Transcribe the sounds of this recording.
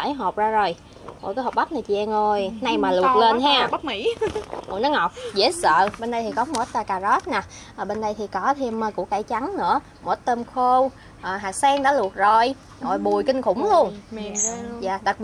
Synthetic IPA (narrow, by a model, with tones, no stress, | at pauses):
aː˧˩˦jɦo˨˩p̚zaː˧zo˨˩j | mo̰˧˩kaː˨˦hɔ˨˩p̚ɓa˦˥k͡p̚na˨˩jt͡ɕi˨˩ʔɛ˧mo˨˩jna˧jmaː˨˩lu˨˩t̚le˧nɦaː˧˦˥mḭ˧˥ho̰˨˧˩nɔ˨˦ŋɔ˨˩wk͡p̚zḛ˧˥˦sə̰ː˧˨ɓe˧nɗə˧jt̪ʰi˨˩kɔ˨˦mo˨˩˦t̪aː˧˩kaː˨˩zɔ˦˥t̚naː˨˩ | ʔəː˨˩ɓe˧nɗə˧jt̪ʰi˨˩kɔ˨˦t̪ʰi˧əmːəː˧˩kṵ˧˩əkaː˧˩jt͡ɕa˨˦ŋnɨ̰˧˥ə | mo˨˩˥t̚t̪ə˧mxo˧w | ʔəː˨˩ɦaː˨˩k̚sɛː˧ŋɗa̰ː˧˥lu˨˩ət̚zo˨˩j | zo˨˩jɓu˨˩əjkï˧ŋ̟kʊ̰˧˩ŋ͡mlu˧ən | zaː˧˨˩ɗ̪ə˨˩k̚